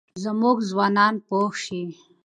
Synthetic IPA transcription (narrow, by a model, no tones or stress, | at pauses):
zɐmuɡzwɑːnɑːnpoːxʃi